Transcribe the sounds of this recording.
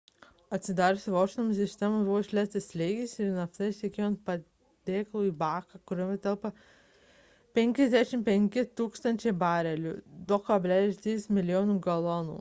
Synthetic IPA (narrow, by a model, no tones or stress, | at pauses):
ɐt̪ʲsʲɪd̪ɑːɾʲosʲɪʋoːʃʲɪnms̬ʲɪsʲt̪ʲɛmɐbuʋoːɪʃʲlʲæːsʲt̪ʲɪsʲlʲɛɪɡʲɛsɪɾnɐft̪ɐɪʃʲt̪ʲɛkʲeːjont̪̚pɐ | d̪ʲeːklˠuːiːbɑːkɑkʊɾʲomʲɛt̪ʲɐlˠpɐ | pʲɛŋʲkʲɛzʲd̪ʲæʃʲɪmpʲɛŋʲkʲɪt̪uːkst̪ɐnʲt͡ʃʲɛɪbɑːɾʲɛlʲṵːd̪okɐbʲlʲæːlʲɪsʲt̪ʲɾʲiːsmʲɪlʲɪjoːnuːɡɐlˠɔnṵː